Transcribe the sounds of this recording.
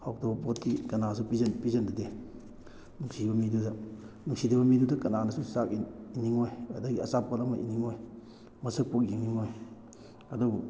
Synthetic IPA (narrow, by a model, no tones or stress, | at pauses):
hawk̚tɔbɐpot̚kikɐnas̬upizenpizɐndade | nuŋsibɐmidudɐnuŋsidebɐmidudɐkɐnanɐsusakiiniŋojɐ̰dɐɡiɐsapɔlɐmɐʔḭniŋoj | mɐsək̚pok̚jiŋniŋoj | ɐdubu